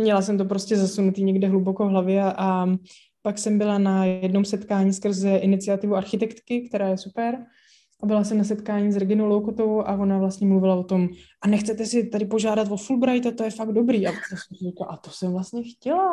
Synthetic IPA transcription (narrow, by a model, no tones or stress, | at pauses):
mɲɛlas̬ɛmt̪opɾoscɛzasunut̪iːɲɛɡdɛɦlubokovɦlavjɛaʔa | paksɛmbɪlanajɛdno̞msɛt̪kaːɲiːskr̩zɛʔɪnɪt͡sɪat̪ɪvuʔaɾxɪt̪ɛkt̪kɪkt̪ɛɾaːjɛsupɛɾ | ʔabɪlas̬ɛmnas̬ɛt̪kaːɲiːs̬ɾɛɡɪnowlowkot̪ovowwʔavo̞navlast̪ɲɛmluvɪlavo̞t̪o̞mʔanɛxt͡sɛt̪ɛsɪt̪adɪpoʒaːdat̪vo̞fulbɾajt̪at̪o̞jɛfaɡdo̞bɾiːʔavasɲɛsɛmsɪriklaʔat̪osɛmvlast̪ɲɛxcɛla